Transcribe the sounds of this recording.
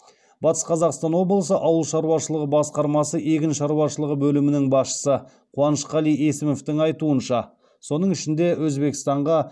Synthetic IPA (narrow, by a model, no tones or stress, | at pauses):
bɑt̪ə̥sqʰɑzɑqst̪ɑnwo̞blˠəsəʔɑwəlˠʃɑɾuwɑʃəlˠəʁəbɑsqɑɾmɑsəʔe̞kʲɪnʃɑɾuwɑʃəlˠəʁəbɵlɪmɪnɪŋbɑsʃə̥sə | qʰuɑnəʃqɑlˠijesɪmoft̪ɪŋɑjt̪uənʃɑ | so̞nəɴʏʃɪnd̪e̞wɵzbe̞kʲɪ̥st̪ɑɴʁɑ